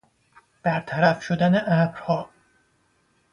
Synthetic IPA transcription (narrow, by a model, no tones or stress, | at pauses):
b̥æɾt̪ʰæɾæfʃod̪æneʔæbɾhɒː